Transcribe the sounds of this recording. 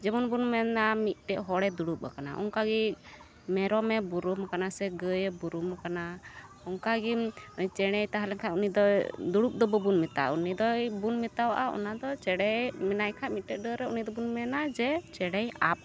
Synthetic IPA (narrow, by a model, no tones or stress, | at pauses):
d͡ʒɛmɔnbunmɛnamit̪̚ˀʈɛʔɦɔɽɛd̪uɽup̚a̰kana̰ʔɔ̰ŋkaɡi | mɛɾɔmɛbuɾumkanasɛɡəjbuɾumkana | ɔŋkaɡimt͡ʃɛɽ̃ɛjt̪aɦalɛŋkʰaunid̪ɔd̪uɽup̚d̪ɔbɔbunmit̪a̰unid̪ɔjbunmit̪awʔa̰ɔ̰nad̪ɔt͡ʃɛɽɛjmɛnajkʰamit̪̚ʈɛˀɖəɾɛunid̪ɔbunmɛnad͡ʒɛt͡ʃɛɽɛjap̚